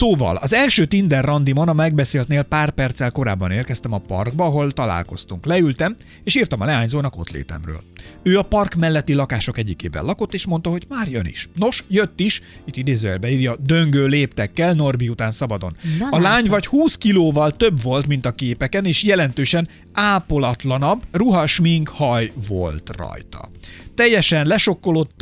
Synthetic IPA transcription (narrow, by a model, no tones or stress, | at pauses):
soːvɒ̰lɒzɛlʃøːt̪ind̪ɛrːɒnd̪imo̞nɒmɛɡ̚bɛseːlt̪neːlpaːrpɛrt̪sɛlko̞ɾa̰ːbːɒneːrkɛst̪ɛmɒpɒ̰rɡ̚bɒɒɦo̞lt̪ɒla̰ːlko̞st̪uŋklɛylt̪ɛm | eːʃiːrt̪ɒmɒlɛaːɲzoːnɒko̞̰t̪lḛːt̪ɛ̰mrø̰ːløːɒpɒrkmɛlːɛt̪ːilɒkaːʃo̞kɛɟːikḛːvɛ̰lɒko̞t̪ːeːʃmo̞nt̪ɒɦo̞ɟmaːrjønḭʃno̞ʃjøt̪ːiʃit̪ːid̪eːzøːɛlbɛiːrjɒd̪ø̞ŋɡøːleːpt̪ɛkːɛlno̞rbiut̪aːnsɒbɒd̪o̞̰nɒlaːɲvɒchuːskiloːvɒlt̪ø̞bvo̞lt̪min̪t̪ɒkeːpɛkɛneːʃjɛlɛn̪t̪øːʃɛn | aːpo̞lɒt̪lɒnɒbːruɦɒʃmiŋkhɒjvo̞̰lt̪rɒ̰jt̪ɒ̰t̪ɛjːɛʃɛnlɛʃo̞kːo̞lo̞t̪ː